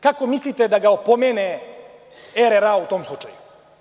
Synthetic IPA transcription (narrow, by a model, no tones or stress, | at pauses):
kako̞mislit̪ed̪aɡaopomene | eɾeɾaut̪o̞ːmslˠut͡ʃaju